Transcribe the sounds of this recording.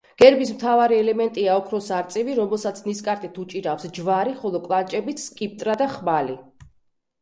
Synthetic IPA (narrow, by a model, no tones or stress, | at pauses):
ɡ̥ɛɾbismt̪ʰavaɾiɛlɛmɛnt̪ʼiaɔkʰɾɔsaɾt̪sʼiviɾɔmɛlˠsat̪sʰniskʼaɾt̪ʼit̪ʰut͡ʃʼiɾafsd͡ʒvaɾiχɔlˠɔkʼlˠant͡ʃʼɛbit̪sʰkʼip̚t̪ʼɾad̪aχmali